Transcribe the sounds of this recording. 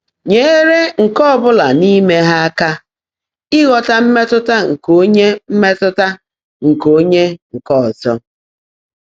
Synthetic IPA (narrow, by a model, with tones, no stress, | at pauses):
ɲe˦ɾe˦ŋ̩˨kɔ˦ɔ˨bʊ˦la˨ni˦me˦ɦa˦a˦ka˦ | ɪ˦ɣɔ˨ta˦m̩˦me˦tʊ˦ta˦ŋ̩˨ko˦ɲe˦m̩˦me˦tʊ˦ta˦ | ŋ̩˨ko˦ɲe˦ŋ̩˨kɔ˦˨zɔ˦